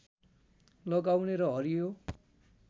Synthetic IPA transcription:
lʌɡawneɾʌɦʌɾijo

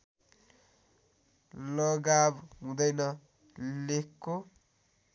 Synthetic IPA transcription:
lʌɡabɦũd̪ʌjnʌ | lekːo

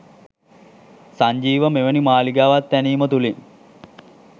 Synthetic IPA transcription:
saɲd͡ʒiːʋəmeʋənimaːliɡaːʋat̪ːæniːmət̪uliŋ

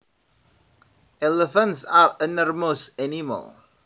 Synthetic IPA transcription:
ɛləfə̃ntsaɹənɔɹmosɛnimɔ̰l

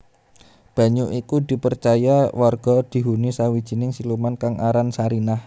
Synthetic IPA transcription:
b̥a̤ɲuʔikud̪̥i̤pərt͡ʃajawarɡ̥ɔ̤d̪̥i̤ɦunisawid̥ʒ̥i̤nɪŋsilumankaŋaɾansaɾinah

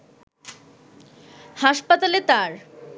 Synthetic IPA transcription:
haʃpat̪alet̪aɾ

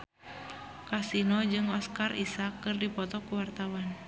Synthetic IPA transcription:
kasinɔd͡ʒɨŋɔskarisakːɨrdipɔt̪ɔkuwart̪awan

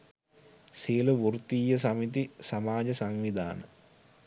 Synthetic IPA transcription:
siəluʋurt̪iːjəsamit̪isamaːd͡ʒəsaŋʋid̪a̰ːnə

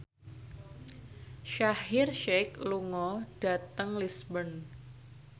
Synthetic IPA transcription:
ʃahɪrʃekluŋɔɖ̥a̤t̪əŋlisbən

